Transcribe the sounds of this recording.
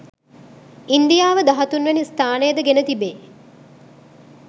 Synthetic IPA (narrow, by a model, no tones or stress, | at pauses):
ind̪ijaːʋəd̪aɦɐt̪unʋenist̪aːnejəd̪əɡenət̪ibeː